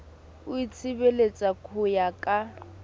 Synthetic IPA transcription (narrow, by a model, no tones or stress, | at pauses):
ʊit͡sʰibelet͡sʼakʰʊjakʼa